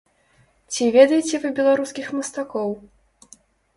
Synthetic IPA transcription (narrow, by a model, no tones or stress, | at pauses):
t͡sʲivʲɛd̪ɐjɛt͡sʲɛvɨbʲɛlˠaɾuskʲixmɐst̪akɔw